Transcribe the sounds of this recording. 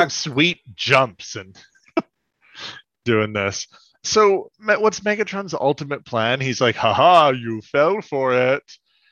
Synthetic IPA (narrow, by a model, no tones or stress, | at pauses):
ɨv̥swit̚d̥ʒ̥ʌ̃mpsɨ̃n | d̥ʉɪ̃ŋðɪs | oʊmɛwʌtsmɛɡɨtɹ̥ʌ̃nzʌ̰lˠtəmɨt̚pʰl̥æ̃nizlaɪkhɑhɑjɨfɛlˠfə˞ɪt̚